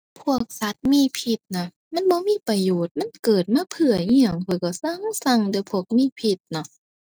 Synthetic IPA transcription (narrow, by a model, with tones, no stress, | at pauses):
pʰu˧˥˩ək̚sa˧˦t̪̚miː˧˥˨pʰi˧˩t̪̚nɔ˧˩ | ma˧˥˨nbɔː˧˦miː˧˥˨pa˧joː˨˩t̪̚ma˧˥˨nkɤː˨˩t̪̚maː˧˥˨pʰɯ˧˩ɐɲi˧˩ə˨˩ŋpʰɔː˧˩˨jkɔ˧˩sa˧˥˨ŋsa˧˩ŋdɯ˧˨pʰu˧˥˩ək̚miː˧˥˨pʰi˧t̪̚nɔ˧˩